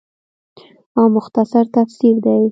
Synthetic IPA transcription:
ɑmʊxt̪asaɾt̪afsiɾd̪aj

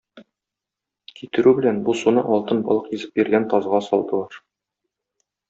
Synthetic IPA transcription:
kit̪ɘ̆ɾʉbɘ̆lænbusunɤʔɒlˠt̪ɤnbɒ̰lˠɤqizɘ̥p̚biɾɡænt̪ɒzʁɑsɒlˠd̪ɤ̆lˠɑɾ

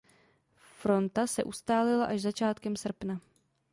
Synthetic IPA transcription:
fɾo̞nt̪asɛʔust̪aːlɪlaʔaʒzat͡ʃaːt̪kɛmsr̩pna

